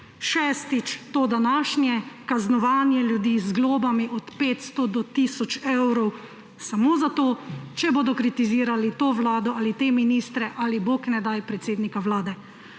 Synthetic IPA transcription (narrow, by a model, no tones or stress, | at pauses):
ʃɛːst̪it͡ʃt̪oːd̪anaːʃnjɛkaznɔʋaːnjɛljud̪iːzɡloːbamiʔɔt̪peːt̪st̪od̪ɔt̪iːsɔt͡ʃɛwɾɔw | samoːzat̪oːt͡ʃɛboːd̪ɔkɾit̪iziːɾalit̪oːʋlaːd̪ɔalit̪eminiːst̪ɾɛʔaliboːknɛd̪ajpɾɛt̪seːd̪nikawlaːd̪ɛ